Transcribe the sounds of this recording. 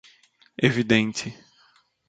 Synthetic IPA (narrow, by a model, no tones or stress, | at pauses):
evid̪ẽnt͡ʃɪ